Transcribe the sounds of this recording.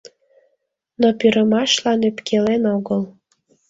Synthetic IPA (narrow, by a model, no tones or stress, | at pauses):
nopyɾəmɑʃlɑnøpkʰelenoɣəl